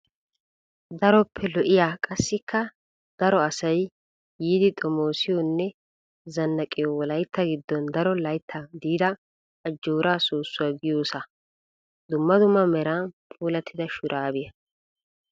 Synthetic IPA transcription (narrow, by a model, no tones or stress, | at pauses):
d̪ɐɾɔpʰːɛlɔʔɪjaːkʼɐsːɪkʰːɐ | d̪̥ɐɾɔɐsɐj | jiːd̪ɪt̪ʼɔmoːsɪjɔnːɛ | zɐnːɐkʼːɪjɔwɔlɐjt̪ːɐɡɪd̪ːɔnd̪ɐɾɔlɐjt̪ʰːɐd̪iːd̪ɐ | ʔːd͡ʒːoːɾaːsuːsːʊwaːɡɪjoːsɐ | d̪ʊmːɐd̪ʊmːɐmɛɾanpʰʼuːlɐt̪ʰːɪd̪ɐʃʊɾʔaːbɪjɐ